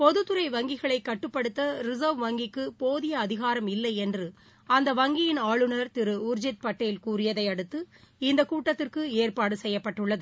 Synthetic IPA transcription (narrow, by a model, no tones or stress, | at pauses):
pɔðɯt̪ːɯɾɐɪʋɐŋɡɪɣɐɭɐɪkːɐʈːɯpːɐɽɯt̪ːɐɾɪzoʋʋɐŋɡɪkːɯpoːðɪjɐːðɪɣaːɾɐmɪlːɐɪɛndrɯ | ɐnd̪ɐʋɐŋɡɪjɪnaːɭɯnɐɾt̪ɪɾɯʊɾd͡ʒɪt̪̚pɐʈːɐjɪlkuːrɪjɐðɐɪɐɽɯt̪ːɯɪnd̪ɐkuːʈːɐt̪ːɪrkɯeːrpaːɽɯsɛjːɐpːɐʈːɯɭːɐðɯ